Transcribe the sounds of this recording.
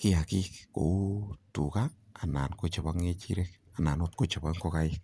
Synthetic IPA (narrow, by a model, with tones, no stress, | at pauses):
kɪ˦a˨kikko̰˨u˦tu˨kaa˨na˨nko˦t͡ʃa˨βa˦ŋe˧t͡ʃḭ˦ɾɛk̚ | a˨na˨not̪̚ko˦t͡ʃa˨baŋkɔka˦ɪk̚